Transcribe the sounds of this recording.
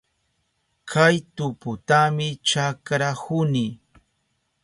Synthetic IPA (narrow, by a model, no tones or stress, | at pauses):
kʰajt̪ʊpʊt̪amɪt͡ʃakɾahʊni